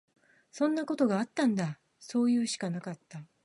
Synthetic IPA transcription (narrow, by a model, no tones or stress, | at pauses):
sõ̞nːako̞t̪o̞ɡaːt̪ːãnd̪a | so̞ːjɯ̟ːɕi̥kanakat̪ːa